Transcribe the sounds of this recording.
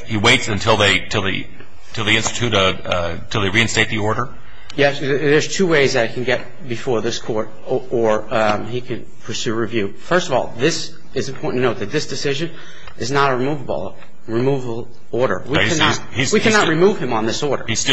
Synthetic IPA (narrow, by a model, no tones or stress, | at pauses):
hiweɪtsɨ̃ntʰɪlˠðeɪtʰɨlˠðḭ | tʰɨlˠðiɪ̃nstɨtʰʉɾʌ | tʰɨlˠðeɪɹiɨ̃nsteɪt̪̚ðiɔɹɾə˞ | jɛ | ðə˞z̥tʰʉweɪzðɨɾɨt̚kʰɨ̃n̩ɡɛt̚ | b̥ɨfɔɹðɪskʰɔɹɾ | ə˞ | ikʰɨ̃n | pʰə˞sʉɹivjʉ | fɜ˞stʌvɔ̰lˠðɪs | ɨz̃mpʰɔɹʔn̩tʰɨnoʊt̪̚ðɨt̪̚ðɪsd̥ɨsɪʒɨ̃n | ʔɨznəɾəɹimuvəbl̩ˠ | ɹimuvəl̩ˠ | ɔɹɾə̰˞wikæni | izwikʰænət̚ɹimuv̥ɨ̃mə̃nðɪsɔɹɾə̰˞i